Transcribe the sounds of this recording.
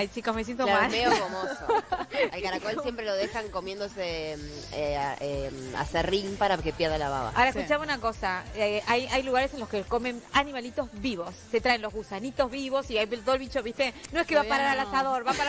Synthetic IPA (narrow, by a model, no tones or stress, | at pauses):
ajt͡ʃikosmes̬jent̪omalmeokomossoelkaɾakolsjempɾeloðexaŋkomje̞nd̪ose | eea̰serimpaɾakepjeɾðalaβa̰βa̰aoɾeskut͡ʃaβunakosaeʔajajluɣaɾe̞senloskekomẽ̞nanimalit̪o̞zβiβo̞sːe̞t̪ɾaenlo̞zɣusanit̪o̞zβiβo̞siajt̪oðolβit͡ʃoβiht̪enoekeβapaɾaɾalasaðoɾβapaɾa